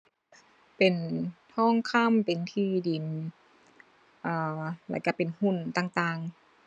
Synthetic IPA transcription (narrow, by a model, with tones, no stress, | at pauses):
pe˨nt̪ʰɔː˧˥˩ŋkʰa˧˥˨mpe˨nt̪ʰiː˧˩di˨˦n | ʔaː˧˩lɛ̰˧˩ka˧˩pe˨nhu˧˥˩nt̪aː˧˩ŋt̪aː˧˩ŋ